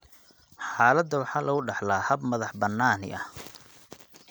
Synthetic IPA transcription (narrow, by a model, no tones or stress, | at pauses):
ħɑːlɐd̪ːɐwɑħɑːlʔɐɣʊɖɑħlaːhɐbmɐðɑħbɐnːaːnɪ̰ʔɐh